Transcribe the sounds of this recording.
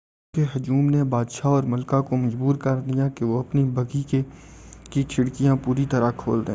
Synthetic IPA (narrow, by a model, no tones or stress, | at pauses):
keɦɐd͡ʒuːmnebaːd̪ʃaɔːɾmɐlkakomɐd͡ʒbuːɾkɐɾd̪ijãkeʋoɐpnibʱɐɡi | kikʰɪɽkijãpuːɾit̪ɐɾakʰo̰ːld̪eː